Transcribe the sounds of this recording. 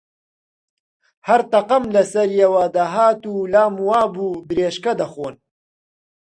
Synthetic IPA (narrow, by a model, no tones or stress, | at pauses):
hɐɾt̪ɐqɐmlɐsɐɾjewaːd̪aɦaːt̪uːlaːmuwaːbuːbɨɾeːʃkɐd̪ɐxoːn